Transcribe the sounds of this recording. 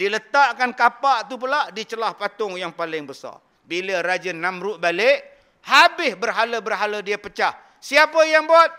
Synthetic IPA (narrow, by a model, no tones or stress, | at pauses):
dilət̪aʔkankapaʔt̪up̬əlaʔdit͡ʃəlahpat̪ʊŋjaŋpalɪŋbəsa̰ | biləɾad͡ʒənːamɾʊʔbalɪʔ | habɪsbərɦaləbərɦalədiapət͡ʃah | siapəjaŋbat̪̚